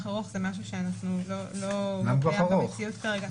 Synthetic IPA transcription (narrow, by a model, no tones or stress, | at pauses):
χaʁoχz̥emaʃ̬uʃeanaχnulo̞loɡamkoaaʁoet͡siut̪kaʁeɡa